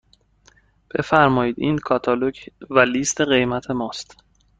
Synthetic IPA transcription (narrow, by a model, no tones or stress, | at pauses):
b̥e̞fæɾmɒːjiːd̪iːnkʰɒːt̪ʰɒːlocʰvæliːst̪ʰeɣe̞jmæt̪ʰe̞mɒːst̪